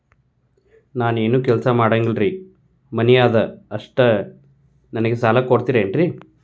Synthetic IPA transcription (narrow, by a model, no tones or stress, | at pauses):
naːne̞ːnuːkɛlsɐmaːɽɐŋɡlɾiː | mɐnijaːd̪ɐːʂʈɐ | nɐnɐɡesaːlɐkoɽt̪iːɾeːɳʈɾi